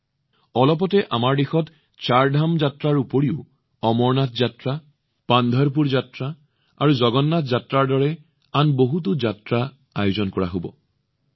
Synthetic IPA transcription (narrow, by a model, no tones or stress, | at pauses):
ɔlɔp̬ɔtɛʔamaɹdixɔt | t͡ʃaɹdʱamzatɹaɹupoɹiʊ | ɔmɔɹnatzatɹa | pand̪ʱɔɹp̬uɹzatɹa | aɹuzɔɡɔnːatzatɹaɹdɔɹɛ | anboɦut̬ʊzatɹa | ajuzɔnkɔɹaɦobɔ̰